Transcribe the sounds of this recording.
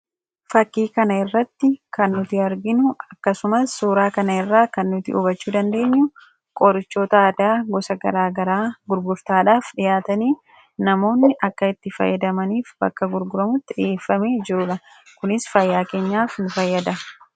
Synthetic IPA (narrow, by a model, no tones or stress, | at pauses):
fɐkːiːkɐnɐɪrːɐt̪ːɪkɐnːʊt̪ɪɐɾɡɪnʊɐkːɐsʊmɐsːuːɾaːkɐnɐɪrːaːkɐnːʊt̪ɪʔʊ̰bɐt͡ʃːuːd̪ɐnd̪e̞ːɲːʊ | kʼɔɾɪt͡ʃːo̞ːt̪ɐɐd̪aːɡɔsɐɡɐɾaːɡɐɾaːɡʊɾɡʊɾt̪aːᶑaːfᶑɪjaːt̪ɐniː | nɐmo̞ːnːɪʔɐkːɐɪt̪ːɪfɐ̰jːɐd̪ɐmɐniːfbɐ̰kːɐɡʊɾɡʊɾɐmʊt̪ːɪᶑɪjeːfːɐme̞ːd͡ʒɪɾʊᶑɐ | kʊnɪsfɐjːaːke̞ːɲːaːfnʊfɐjːɐd̪ɐ